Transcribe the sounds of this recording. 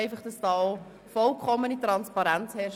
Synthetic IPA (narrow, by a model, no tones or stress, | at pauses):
ɪfɑχd̥ɑsd̥ɑːo | fɔlkʰχɔmːənitɾɑnspɑɾænt͡shɛʃ